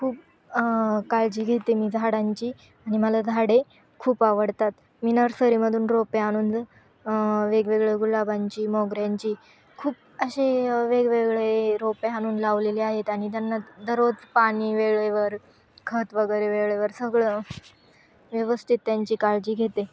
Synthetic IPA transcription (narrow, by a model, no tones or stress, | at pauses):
kʰuːp̚ | kaɭd͡ʑiːɡʱet̪emiːd͡zʱaɽaɲt͡ɕiː | aɽ̃iməlad͡zʱaɽe | kʰuːpaʋəɽt̪at̪ | miːnəɾsəɾiməd̪ʱuːnɾopeaɽ̃uːnd̪ | ʋeɡʋeɡɭeɡulabaɲt͡ɕiːmoɡɾjãɲt͡ɕiː | kʰuːp̚ | əɕeʋeɡʋeɡɭeɾopeaɽ̃uːnlaʋleliːaɦet̪aɽ̃it̪janːad̪əɾot͡spaɽ̃iːʋeɭeʋəɾ | kʰət̪ʋəɡəɾeʋeɭeʋəɾsəɡɭə | ʋjəʋəst̪ʰit̪ːjaɲt͡ɕiːkaɭd͡ʑiːɡʱet̪e